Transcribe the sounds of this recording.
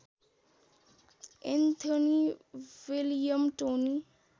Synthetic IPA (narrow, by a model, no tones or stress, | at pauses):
ent̪ʰəniwilijəmʈoni